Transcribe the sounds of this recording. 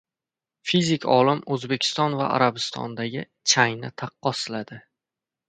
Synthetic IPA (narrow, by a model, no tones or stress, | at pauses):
fizɪkʲʰɒlɪmɵzbe̞kʲʰɪ̥st̪ɒnva̰ʔa̰ɾabɪst̪ʰɒ̰nd̪aɡʲɪ | t͡ʃʰajnɪt̪ʰɑqːɒsɪlad̪ɪ